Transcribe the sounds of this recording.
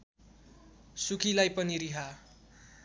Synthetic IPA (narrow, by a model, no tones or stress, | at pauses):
sukʰilajpʌniɾiɦa